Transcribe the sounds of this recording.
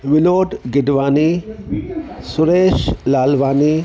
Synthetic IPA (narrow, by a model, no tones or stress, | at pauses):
ʋɪloːɖɡɪɖʋaːni | sʊɾeːʃlaːlʋaːni